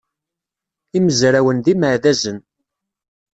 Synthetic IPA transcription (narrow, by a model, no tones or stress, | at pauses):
iməzɾæwənðiməʕðæzən